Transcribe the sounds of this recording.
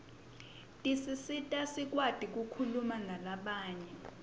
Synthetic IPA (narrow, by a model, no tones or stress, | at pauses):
tʼisisitʼasik̬ʼwad̥ʱik̬ukʰulumanalaɓaːɲɛ